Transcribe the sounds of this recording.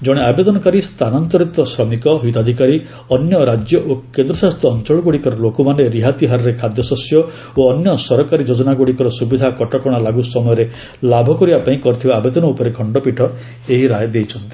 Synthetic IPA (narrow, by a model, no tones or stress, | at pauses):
d͡ʒɔɽ̃eabed̪ɔnɔkaɾist̪ʰanant̪ɔɾit̪ɔsɾɔmikɔɦit̪ɔd̪ʱikaɾi | ɔnjɔɾad͡ʒjɔʔokend̪ɾɔsaɦst̪ɔːnt͡ʃɔɭɔɡoɽikɔɾɔlokɔmaneɾiɦat̪iɦaɾɔɾekʰad̪jɔsɔsjɔ | oːnjɔsɔɾɔkaɾid͡ʒod͡ʒɔnaɡoɽikɔɾɔsubid̪ʱakɔʈɔkɔɽ̃alaɡusɔmɔjɔɾe | labʱɔkɔɾibapaĩkɔɾit̪ʰibaːbed̪ɔnɔupɔɾekʰɔɳɖɔpiʈʰɔ | eɦiɾajɔd̪ejt͡ʃʰɔnt̪i̥